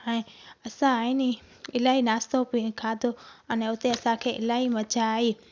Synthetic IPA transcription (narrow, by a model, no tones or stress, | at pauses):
əẽɐsãini | ɪlaːɦinaːst̪opĩkʰãːd̪ʱoənɛ̃ʊt̪eɐsãkʰeːʔɪ̰laːɦimɐt͡ʃaɦiː